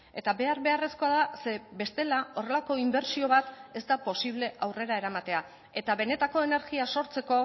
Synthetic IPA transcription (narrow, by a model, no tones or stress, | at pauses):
e̞t̪aβe̞aɾβe̞are̞sko̞aðase̞be̞st̪e̞lao̞re̞lako̞imbe̞ɾsio̞βat̪e̞zt̪apo̞siβ̞le̞ʔawre̞ɾae̞ɾamat̪e̞a | e̞t̪aβe̞ne̞t̪ako̞ene̞ɾɣiaso̞ɾt͡se̞ko̞